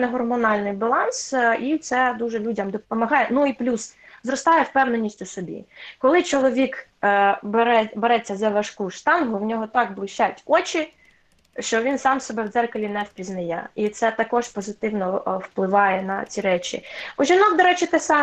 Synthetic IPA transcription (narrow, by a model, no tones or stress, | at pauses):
nɛɦɔrmɔnɑlʲnɪjbɐlˠɑnsit̪sɛd̪uʒɛlʲudʲɐmd̪ɔpɔmɐɦɑjɛnuiplʲuszɾɔst̪ɑjɛwpɛwnenʲːisʲtʲusɔbʲḭkɔlˠɪt͡ʃɔlˠɔʋʲik | bɾɛbɛɾɛt͡sʲːɐzɐʋɐʃkuʃt̪ɑnɦʊwnʲɔɦɔt̪ɑkblˠɪʃt͡ʃatʲɔt͡ʃʲɪ | ʃt͡ʃɔʋʲinsɑmsɔbɛwd̪zɛrkɐlʲinɛwpʲiznɐjɛ̰it̪sɛt̪ɐkɔʃpɔzɪt̪ɪwnɔwplˠɪʋɑjɛnɐ̰t͡sʲiɾɛt͡ʃʲḭɔʒinɔkd̪ɔɾɛt͡ʃɪt̪ɪsɑ